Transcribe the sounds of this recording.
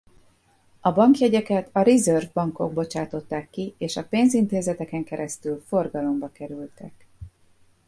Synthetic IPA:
ɒbɒŋkjɛɟɛkɛt̪ʰɒɾizørvbɒŋko̞ɡ̚bo̞t͡ʃaːt̪o̞t̪ːaːkːieːʃɒpeːnzint̪eːzɛt̪ɛkɛŋkɛɾɛst̪ylfo̞rɡɒlo̞mbɒkɛɾylt̪ɛk

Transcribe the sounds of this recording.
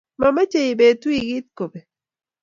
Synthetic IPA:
mamat͡ʃajibet̪uiɡit̪kobe

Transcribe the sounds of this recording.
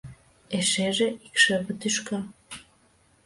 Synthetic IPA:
eʃeʒeʔikʃə̆βə̆t̪yʃkɑ

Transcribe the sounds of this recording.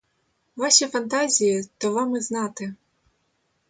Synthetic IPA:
ʋɑʃʲifɐnt̪ɑzʲijit̪ɔʋɑmɪznɑt̪ɪ

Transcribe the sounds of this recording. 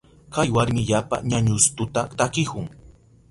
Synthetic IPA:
kajwaɾmɪʎapa̰ɲaɲʊst̪ʊt̪at̪akɪkʊŋ

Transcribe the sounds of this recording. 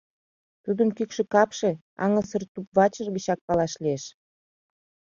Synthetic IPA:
t̪ud̪əmkykʃĕkɑpʃe̽ | ɑ̰ŋə̆sərt̪upβɑt͡ɕərɡit͡ɕɑk̚pɑlɑʃlieʃ

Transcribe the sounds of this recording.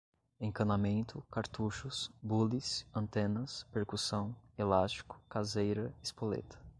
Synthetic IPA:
ẽŋkɐ̃namẽnt̪ʊkaɾt̪uʃʊsbulisɐ̃nt̪ẽnɐspeɾkusɐ̃w̃elast͡ʃi̥kʊ̥kazejɾɐispolḛt̪ʰɐ̥

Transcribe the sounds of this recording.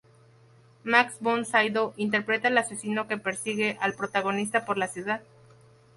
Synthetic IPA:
maksbonsajðoʔint̪eɾpɾe̞t̪alasesino̞ke̞pe̞ɾsiɣe̞ʔalpɾo̞t̪aɣo̞nis̬t̪apo̞ɾlasjuðað

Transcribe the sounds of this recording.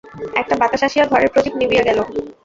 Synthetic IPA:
ɛk̚ʈabat̪aʃaʃiad̪ʱɔɾeɾpɾod͡ʑibnibiaɡɛlo

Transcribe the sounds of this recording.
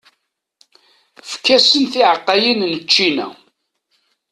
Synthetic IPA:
fkːæsənθiʕəqːɑjinnət͡ʃːinæ̰

